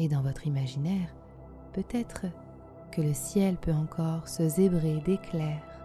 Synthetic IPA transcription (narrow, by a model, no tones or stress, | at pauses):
ed̪ɑ̃vɔt̪χimaʒinɛʁ | pøt̪ɛt̪χə | kələsjɛlpøɑ̃kʰɔʁsəzebʁed̪eklɛʁ